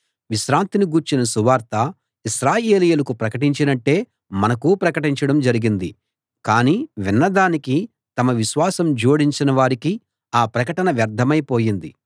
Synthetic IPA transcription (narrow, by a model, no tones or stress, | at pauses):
ʋiʃɾaːnt̪iniɡuːɾt͡ʃinɐsuʋaːɾt̪ɐ | iʃɾaːje̞ːlijulɐkupɾɐkɐʈiɲt͡ʃinɐʈːe̞ː | mɐnɐkuːpɾɐkɐʈiɲt͡ʃɐɽɐmd͡ʒɐɾiɡind̪i | kaːniːʋinːɐd̪aːniki | t̪ɐmɐʋiʃʋaːsɐmd͡ʒoːɽiɲt͡ʃinɐʋaːɾiki | aːpɾɐkɐʈɐnɐʋjɐɾd̪ʱɐmɐjpo̞ːjind̪i